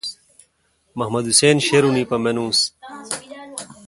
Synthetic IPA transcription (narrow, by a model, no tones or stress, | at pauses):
mɐɦmɐd̪useːnɕeɾuniːpɐmenũːs